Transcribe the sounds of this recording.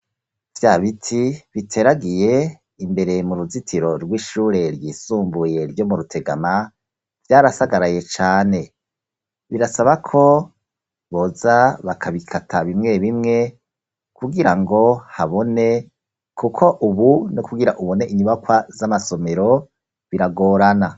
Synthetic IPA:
vjaːβitʰiβitʰe̞ɾaɡije̞ | imbe̞ɾe̞muɾuzitʰiɾo̞ɾɡwiːʃuːɾe̞ɾjiːsuːmbuje̞ɾjo̞muɾutʰe̞ɡa̰ma | vjaːɾasaɡaɾaje̞t͡ʃaːne̞ | βiɾasaβakʰo̞ | βo̞zaβakʰaβikʰatʰaβimŋe̞βimŋe̞ | kʰuɡiɾaŋɡo̞haβo̞ne̞ | kukʰo̞ʔuβunukuɡiɾaʔuβo̞ne̞ʔiɲuβakwazamaso̞me̞ɾo̞ | βiɾaɡo̞ːɾana

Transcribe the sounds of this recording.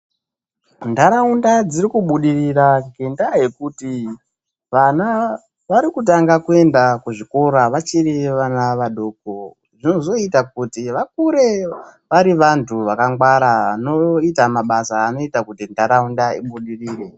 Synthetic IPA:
ndaɾaundad͡zirikuɓuɗiriraɡʱendaɦe̞kuti | ʋana | ʋaɾikut̬aŋɡakue̞ndakuʐiko̞ɾaʋat͡ʃireʋanaʋaɗo̞k̚o | ʐino̞zo̞itak̚utiʋak̚uɾe̞ʋaɾiʋantʰuʋakaŋɡwaɾaano̞itamaɓasaːno̞itakutindaɾaundaḭɓuɗiriːre̞

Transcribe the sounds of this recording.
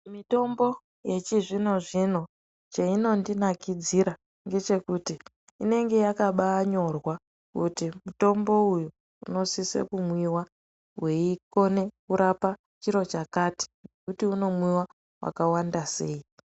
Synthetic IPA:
mito̞mbo̞ | je̞t͡ʃiʐino̞ʐino̞ | t͡ʃaino̞ndinakid͡ziɾa | ŋɡe̞t͡ʃe̞kuti | ine̞ŋɡe̞jakaɓaːɲo̞rwa | kutimuto̞mbo̞uju | ṵno̞sisḛkumwiwa | we̞iko̞ne̞kuɾapa | t͡ʃiɾo̞t͡ʃakati̥nekutiuno̞mwiwa | wa̰kawandase̞ːi

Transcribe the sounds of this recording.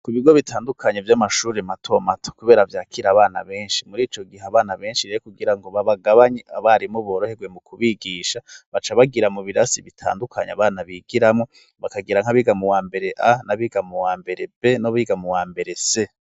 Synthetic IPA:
kuβiɡo̞βitʰaːndukʰaɲevjamaʃuːɾematʰo̞matʰo̥kuβe̞ːɾavjaːkʰiɾaβaːna̰βe̞ːnʃimuɾiːt͡ʃo̞ɡiɦaβaːnaβe̞ːnʃiɾeekuɡiɾaŋɡo̞βaβaɡaβaɲeaβaɾimoβoːɾohe̞ɡwe̞mukʰuβiɡiːʃaβat͡ʃaβaɡiɾamuβiɾasiβitʰa̰ːndukʰaɲa̰βaːnaβiːɡiɾamŋo̞ | βakaɡiɾaŋ̥aβiɡamuwaːmbe̞ɾe̞ʔanaβiːɡamuwaːmbe̞ɾe̞be̞no̞βiːɡamuwaːmbe̞ɾe̞se̞

